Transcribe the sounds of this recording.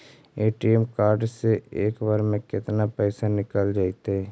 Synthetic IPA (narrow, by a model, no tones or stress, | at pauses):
eːʈiemkaːɾɖseeːkbaɾmẽkɪt̪napɛːsanɪkəld͡ʒaːit̪ɦɛ